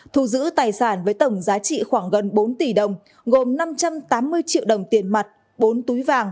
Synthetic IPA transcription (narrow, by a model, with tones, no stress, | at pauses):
t̪ʰu˧˩zɨ̰˧˥t̪aː˨˩jsaː˧˩nvəː˨˦jt̪ə˧˩wŋ͡mzaː˨˦t͡ɕḭ˧˨xwaː˧˩ŋɣə˨˩nɓo˨˦nt̪i˧˩ɗə˨˩wŋ͡m | ɣo˨˩mna˧mt͡ɕa˧mt̪aː˨˦mːɨ˧əjt͡ɕḭ˧əwɗə˨˩wŋ͡mt̪i˨˩ənma˨˩t̚ | ɓo˨˦nt̪u˨˦jvaː˨˩ŋ